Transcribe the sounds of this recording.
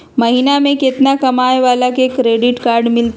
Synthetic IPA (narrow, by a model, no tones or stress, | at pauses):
mɐɦinamẽkɪt̪nakɐmaːeʋaːlakekɾeːɖɪʈkaːɾɖmɪlt̪